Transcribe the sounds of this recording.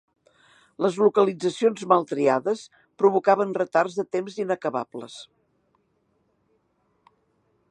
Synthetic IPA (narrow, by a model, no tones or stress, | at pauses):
ləzlukəlid͡zəsionzmalˠt̪ɾiaðəs | pɾuβ̞ukaβənrət̪arzðət̪emzinəkəβa̰plə̰s